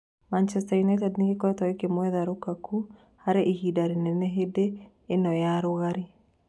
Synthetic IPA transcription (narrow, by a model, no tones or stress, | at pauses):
mant͡ʃɛstajunɛtɛdneɣekɔɛtɔekemwɛðaɾokakʰu | haɾeʔihidaɾenɛnɛɦedeː | nɔjaɾoɣaɾe